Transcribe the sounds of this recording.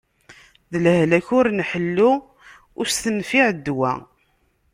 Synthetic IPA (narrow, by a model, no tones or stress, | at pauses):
ðələhlæçʊɾnħəlːu | ʊɾst̪ənfiʕd̪ːwæ̰